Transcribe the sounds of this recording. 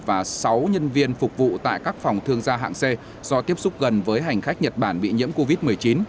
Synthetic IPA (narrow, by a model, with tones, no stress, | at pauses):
vaː˨˩sa˨˦wɲə˧nvi˧ənfʊ˨˩k͡p̚vṵ˧˨t̪a̰ː˧˨jkaː˦˥k̚fɔ˨˩wŋ͡mt̪ʰɨ˧əŋzaː˧ɦa̰ː˧˨ŋse˧ | z̥ɔ˧t̪i˦˥əp̚sʊ˦˥k͡p̚ɣə˨˩nvəː˨˦jɦa˨˩jŋ̟xa˦˥jk̟̚ɲə˨˩t̚ɓaː˧˩nɓḭ˧˨ɲḭ˧˥əmko˧vi˦˥t̚mɨ˨˩əjt͡ɕi˨˦n